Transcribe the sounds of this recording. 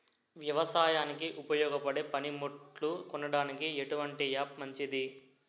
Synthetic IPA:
ʋjɐʋɐsaːjaːnikiʔupɐjɔːɡɐpɐɽe̞ːpɐnimoʈlukɔnːɐɽaːnikie̞ʈuʋɐɳʈijaːpmɐɲt͡ʃid̪i

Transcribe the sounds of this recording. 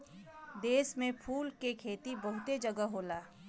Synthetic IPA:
d̪eːsmẽpʰuːlkekʰeːt̪ibəɦʊt̪ed͡ʒəɡəɦoːlaː

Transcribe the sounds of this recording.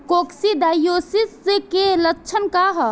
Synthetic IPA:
koksid̪ajosiskeləkːt͡ʃʰənkaɦə

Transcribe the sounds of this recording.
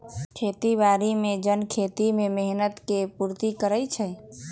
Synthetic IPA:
kʰet̪ibaɾimed͡ʒənkʰet̪imemeɦnət̪kepuɾt̪ikəɾəjt͡ʃʰəj

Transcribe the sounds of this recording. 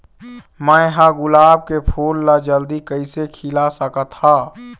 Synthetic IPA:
mə̃ɦãɡʊlaːb̚kepʰuːlːad͡ʒəld̪ikəisekʰɪlasəkat̪ʰaː

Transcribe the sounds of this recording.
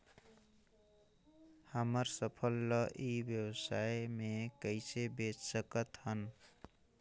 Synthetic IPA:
həməɾsəpʰəlːʌʔibjəwsaejmekəɪsebet͡ʃsəkət̪hən

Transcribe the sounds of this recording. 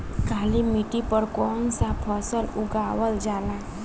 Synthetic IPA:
kʰaːlimiʈipəɾkɔːnsapʰɔsəlʊɡaːwəld͡ʒaːla

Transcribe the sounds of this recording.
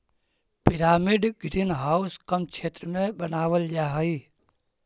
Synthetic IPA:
piɾaːmiɖɡʱɾinɦaːuskəmt͡ʃʰeːt̪ɾəmẽbənaːʋəld͡ʒaːɦəi

